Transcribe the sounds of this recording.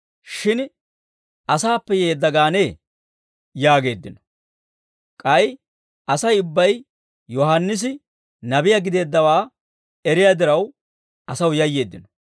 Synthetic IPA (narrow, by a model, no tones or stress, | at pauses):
ʃɪn | ʔɐsaːpːɛje̞ːd̪ːɐɡaːne | jaːɡe̞ːd̪ːɪnɔ | kʼɐj | ɐsɐjʊbːɐj | jɔhɐnːɪs̬ɪ | nɐbɪjaɡɪd̪e̞ːd̪ːɐwaː | ɛɾɪjaːd̪ɪɾɐw | ɐsɐwjɐjːe̞ːd̪ːɪnɔ̥